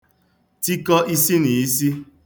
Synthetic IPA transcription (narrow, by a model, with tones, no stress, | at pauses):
ti˦kɔ˦ʔi˦si˦ni˨i˦si˦